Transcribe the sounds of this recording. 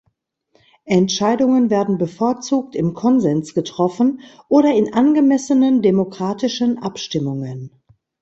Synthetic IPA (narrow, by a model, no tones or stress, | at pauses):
ʔɛntʃaɪdʊŋənvɛːɐdn̩bəfoːɐt͡suːk̚tɪmkʰɔnzɛnt͡sɡ̥ətʁ̥ɔfn̩ʔoːɾɐɪnʔanɡəmɛsənəndemokʁ̥aːtɪʃənʔapʃtɪmʊŋən